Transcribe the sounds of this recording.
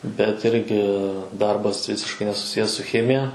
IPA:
bʲɛt ˈɪrʲɡʲɪ ˈdɐrbɐs ˈʋʲɪsʲɪʃkɐɪ nʲɛsʊˈsʲɪjɛs sʊ ˈxʲæːmʲɪjɛ

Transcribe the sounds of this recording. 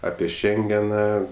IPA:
ˈɑːpʲiɛ ˈʃʲɛŋʲɡʲɛnɐ

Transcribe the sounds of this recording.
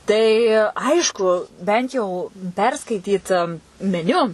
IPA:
tɐɪ ˈɐɪʃkʊ ˈbʲɛnt jɛʊ pʲɛrˈskɐɪtʲiːt mʲɛˈnʲʊ

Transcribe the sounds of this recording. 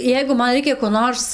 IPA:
ˈjɛɪɡʊ ˈmɐn ˈrʲɛɪkʲɛ koː ˈnoːrs

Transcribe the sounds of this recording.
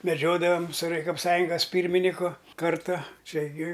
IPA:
mʲɛˈd͡ʒʲoːdɐʋɐm sʊ rɐjkoːpˈsɑːjʊŋɡɐs ˈpʲiːrʲmʲɪnʲɪkʊ ˈkɐrtɐ ˈt͡ʃʲɛ ɡʲɪ

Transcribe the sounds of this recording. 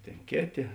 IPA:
ˈtʲeːn ˈkʲeːˌtʲeː

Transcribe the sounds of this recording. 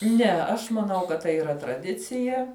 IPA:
ˈnʲɛ ɐʃ mɐˈnɐʊ kɐt ˈtɐɪ iːˈrɐ trɐˈdʲɪt͡sʲɪjɛ

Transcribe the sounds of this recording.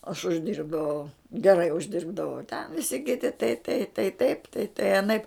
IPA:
ɐʃ ʊʒʲˈdʲiːrbdɐʋɐʊ ɡʲɛrɐɪ ʊʒʲˈdʲɪrbdɐʋɐʊ tʲɛn ʋʲɪˈsʲɪ kʲɪˈtʲɪ tɐɪ tɐɪ tɐɪ ˈtɐɪp tɐɪ tɐɪ ɐˈnɐɪp

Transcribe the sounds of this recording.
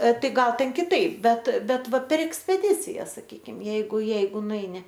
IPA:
ˈtɐɪ ˈɡɐlˠ tʲɛn kʲɪˈtɐɪp ˈbʲɛt ˈbʲɛt ˈʋɐ pʲɛr ɛksʲpʲɛˈdʲɪt͡sʲɪjɛs sɐˈkʲiːkʲɪm ˈjɛɪɡʊ ˈjɛɪɡʊ nʊˈɛɪnʲɪ

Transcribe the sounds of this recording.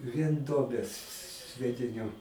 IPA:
ʋʲiɛn ˈduɔbʲeːs sʲʋʲiɛdʲɪˈnʲʊ

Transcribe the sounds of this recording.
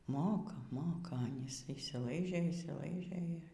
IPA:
ˈmoːkɐ ˈmoːkɐ ˈɑːnʲiːs ɪʃʲsʲiːˈlˠɐɪʒʲeː ɪʃʲsʲiːˈlˠɐɪʒʲeː

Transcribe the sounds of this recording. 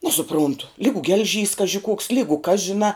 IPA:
nʲɛsʊˈprʊntʊ ˈlʲiːɡʊ ɡʲɛlʲˈʒʲiːs ˈkɑːʒʲɪ kuɔks ˈlʲiːɡʊ kɐs ʒʲɪˈnɑː

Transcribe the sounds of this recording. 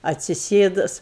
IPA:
ɐtʲsʲɪˈsʲeːdʊs

